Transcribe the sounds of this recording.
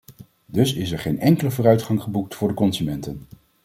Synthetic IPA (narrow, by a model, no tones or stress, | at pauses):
dɵsɪs̬ɛɹχejnɛŋkələvʊːrœɥtχɑŋχəbuk̚tfʊːɹdəkɔnsymɛntən